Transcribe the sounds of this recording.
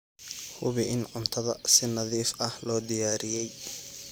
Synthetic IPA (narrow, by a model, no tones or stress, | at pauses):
hʊβɪʔɪnʕʊnt̪ʰɐðɐsɪnɐðiːfɐhlɔːd̪ɪjaːɾɪjɛj